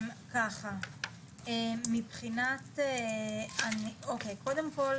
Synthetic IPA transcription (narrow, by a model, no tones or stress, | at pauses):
mkaχa | emipχinateanio̞kejko̞d̪e̞mko̞l